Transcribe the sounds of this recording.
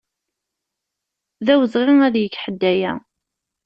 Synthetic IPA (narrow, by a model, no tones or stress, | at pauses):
ðæwəzʁɪŋæðjəkːħəd̪ːæjæ